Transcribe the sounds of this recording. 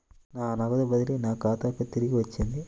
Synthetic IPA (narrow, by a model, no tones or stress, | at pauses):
naːnɐɡɐd̪ɐbɐd̪ilinaːkaːt̪ɐːkːɐt̪iɾiɡiʋɐt͡ʃːind̪i